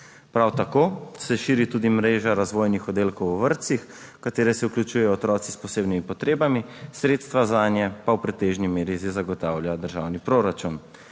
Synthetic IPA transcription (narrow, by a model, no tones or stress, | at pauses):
pɾawt̪akoːsɛʃiːɾit̪uːd̪imɾeːʒaɾazʋoːjnixɔd̪eːlkɔwɔʋəɾt̪six | kat̪eːɾɛsɛuklʲut͡ʃujɛjɔɔt̪ɾɔːt̪sispɔseːbnimipɔt̪ɾeːbamisɾeːt̪st̪ʋazaːnjɛpawpɾɛt̪eːʒnimeːɾizizaɡɔt̪aːwljad̪əɾʒawnipɾoɾat͡ʃun